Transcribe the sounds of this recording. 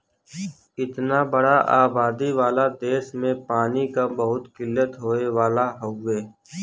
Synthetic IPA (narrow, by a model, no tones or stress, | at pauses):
ɪt̪nabəɽaʔaːbaːd̪iʋaːlad̪eːʃmẽpaːnikabəɦʊt̪kɪlːət̪ɦoːeʋaːlaɦoːeː